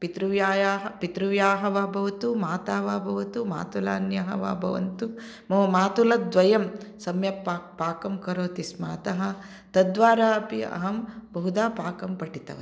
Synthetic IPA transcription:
pit̪ɾuʋjaːjaːɦɐpit̪ɾuʋjaːɦɐʋabʱɐʋɐt̪umaːt̪aːʋabʱɐʋɐt̪uma̰ːt̪ula̰ːnjɐɦɐ̰ʋa̰bʱɐ̰ʋɐ̰nt̪u | mɐmaːt̪ulɐd̪ʋɐjɐmsɐmjɐpapaːkɐmkɐɾoːt̪ismaːt̪ɐɦɐ̆ | t̪ɐd̪ʋaːɾaːɐpiɐ̰ɦɐmbɐɦud̪aːpaːkɐmpɐʈit̪ɐ̰ʋɐ

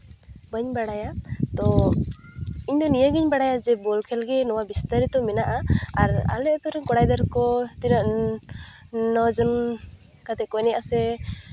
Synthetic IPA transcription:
bəɲbaɽajat̪ɔ | iɲd̪ɔnijəɡəɲbaɽajad͡ʒɛbɔlkʰɛlɡɛnɔwabist̪aɾit̪ɔmɛnaʔaaɾa̰lɛʔt̪ɔɾɛɲkɔɽajd̪aɾkɔt̪inəʔ | nɔd͡ʒɔn | kat̪ɛkɔnɛʔasɛ

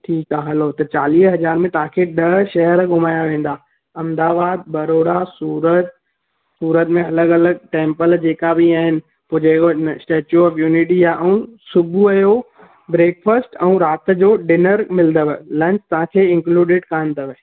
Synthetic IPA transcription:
ʈʰiːkaɦɐlot̪ɐt͡ɕaːliːɦɐzaːɾmẽt̪ɐʋ̤ãkʰeɗɐʃɐɦəɾɡʱʊmaːjaʋẽːn̆d̪aː | ɐ̃md̪aːbaːd̪̚bɐɾoːɽasuːɾət̪̚ | suːɾət̪mẽɐləɡɐləɡ̚ʈẽːmpəld͡ʑeːkabiaːɦɪnɪ̆ | pod͡ʑeːkosʈeːt͡ɕjuɔːfjuːnɪʈijaʔɛ̃ũsʊbʱuɐjo | bɾeːkfəsʈɛ̃ũɾaːt̪əd͡ʑoːɖɪnəɾmɪld̪əʋəlɐ̃ɲt͡ɕt̪ɐʋ̤ãkʰeːɪ̃ŋkluːɖɪɖkaənd̪əʋ

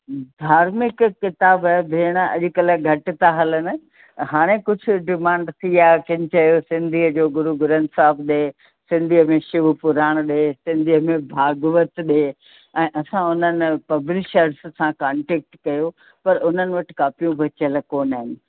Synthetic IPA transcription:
d̪ʱaːɾmɪkkːɪt̪aːbabʱeːɽ̃ɐ̰ʄʊ̆kɐləɡʱɐʈɪ̆t̪aɦɐlənɪ̆ | ɦaːɽ̃ekʊd͡ʑʱʊ̆ɖɪmãːɳɖt̪ʰiaːkɪ̃ɲt͡ɕɐjosɪ̃nd̪ʱiəd͡ʑoːɡʊɾuɡʊɾənsaːbʰɗeː | sɪ̃nd̪ʱiəmẽʃʊʋupʊɾaːɽ̃ɗesɪ̃nd̪ʱiəmẽbʱaːɡʋət̪ɗe | ɛ̃ːʔɐsãʊnənɪ̆pɐblɪʃəɾssãkaːɳʈeːk̚ʈkɐjo | pɐɾʊn̤ənɪ̆ʋɐʈɪ̥̆kaːpijũbɐt͡ɕəlkoːnaɦɪnɪ̆

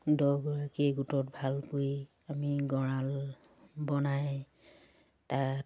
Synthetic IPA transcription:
dɔɡɔɹakeɡutɔt̚bʱalkoj | amiɡɔɹal | bɔnaj | tat

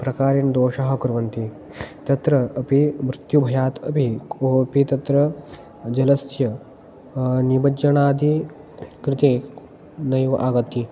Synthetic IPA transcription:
pɾɐkaːɾind̪oːʃɐɦɐ̆kuɾʋɐnt̪i | t̪ɐt̪ɾɐːpimɾɪt̪jubʱɐjaːt̪ɐpikoːpit̪ɐt̪ɾɐ | d͡ʒɐlɐsjɐ | nibɐd͡ʒɐɳaːd̪i | kɾɪt̪e | nɐjʋɐʔaːɡɐt̪ːi

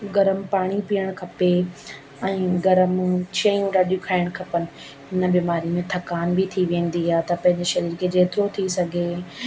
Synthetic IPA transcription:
ɡɐɾəmpaːɽ̃ipijəɽ̃kʰɐpe | ɛ̃ːɡɐɾəmt͡ɕʰɐjũɖaːɗijũkʰaːɪɽ̃kʰɐpənɪ̆ | ɦɪnəbiːmaːɾimẽt̪ʰɐkaːnbɪt̪ʰiʋẽːn̆d̪iaːɦt̪ɐpɐ̃ɦɪ̃ɲd͡ʑɪʃɐɾiːɾkʰed͡ʑeːt̪ɪɾot̪ʰisɐɡʱe

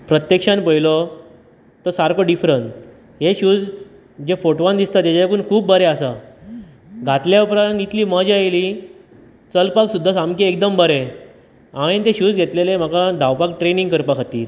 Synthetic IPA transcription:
pɾət̪jekʂanpəilɔ | t̪əsaɾkoɖifɾəɳʈ | ɦeɕuːd͡z | d͡ʑefoʈʋand̪ist̪at̪jat͡ɕaakuːnkʰuːb̚ːəɾeəsa | ɡʱat̪ljaupɾãnit̪liːməd͡ʑajli | t͡səlpaksud̪ʱːasamkeek̚d̪əmbəɾe | aɽ̃ẽnt̪ẽɕuːd͡zɡʱet̪lelem̤əkad̪ʱawpak̚ʈɾenĩŋɡkəɾpakʰat̪ḭːl

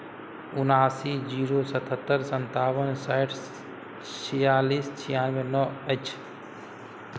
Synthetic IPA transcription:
ʊnaːsid͡ʒiːɾosət̪ʰət̪ːəɾsənt̪aːwənsaʈʰ | t͡ʃʰijaːliːst͡ʃʰijaːnʋenɔət͡ʃʰ

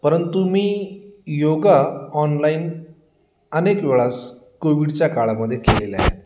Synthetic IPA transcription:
pəɾənt̪umiːjoɡaɔnlaiːn | ənekʋeɭas | koʋiɽt͡ɕjakaɭaməd̪ʱːjekʰelelea̰ɦḛt̪

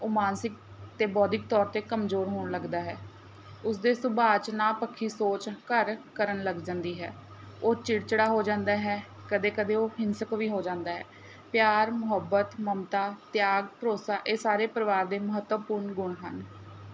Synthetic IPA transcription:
omaːnsɪk̚ | t̪eːbɔːd̪ɪk̚t̪ɔːɾt̪eːkəmzoːɾɦoːɳləɡd̪aːɦɛː | ʊsd̪eːsʊbaːt͡ʃnaːpəkʰːiːsoːt͡ʃkəɾkəɾənləɡd͡ʒãːnd̪iːɦɛ̰ː | oːt͡ʃɪɽt͡ʃəɽaːɦoːd͡ʒãːnd̪aːɦɛː | kəd̪eːkəd̪eːoːɦɪnsəkʋiːɦoːd͡ʒãːnd̪aːɦɛː | pjaːɾmʊɦəbət̪məmt̪aːt̪jaːɡpəɾoːsaːʔeːsaːɾeːpəɾʋaːɾd̪eːməɦət̪wəpʊɾɳɡʊɳɦə̰n

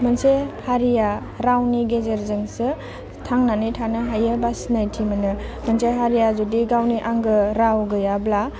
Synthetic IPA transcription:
mənsehaɾija | ɾawniɡezeɾzɯŋsɯ | tʰaŋnanijtʰanɯɦajəbasnajtʰimənɯmənseɦaɾijazudiɡawniʔaŋɡɯɾawɡɯjabla

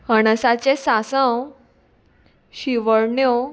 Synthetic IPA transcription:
hənəsat͡ɕesasə̃w | ɕiʋəɭɳjo

